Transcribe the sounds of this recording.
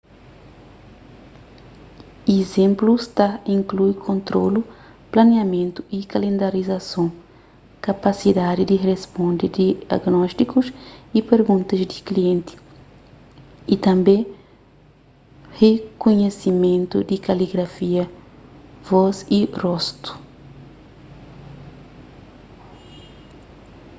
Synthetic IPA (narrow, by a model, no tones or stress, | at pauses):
izẽmplust̪aĩŋklujkʰõnt̪ɾolu | planeamẽnt̪uikalẽnd̪aɾizasõ | kapasid̪ad̪id̪irespõnd̪id̪ia̰ɡnɔst̪ikusipeɾɡũnt̪ɐzd̪ikliẽnt̪i̥ | it̪ɐ̃mbẽ | hekuɲesimẽnt̪ṵd̪ikaliɡɾafiɐ | vɔzirɔst̪u̥